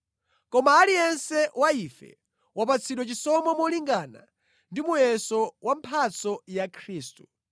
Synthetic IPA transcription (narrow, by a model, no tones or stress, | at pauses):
kɔmaːlijɛnsɛwaifɛ̰ | wap̬at͡sʰiɗwɛt͡ʃisɔmɔmɔliŋɡana̰ | ndimujɛsɔwam̩pʰat͡sɔjakʰɾiːstu̥